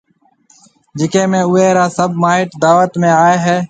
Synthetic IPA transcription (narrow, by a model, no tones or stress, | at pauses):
d͡ʒɪkẽːmẽːʊeːɾaːsəbmaːɦɪʈd̪aːʋət̪mẽːaːeːɦeː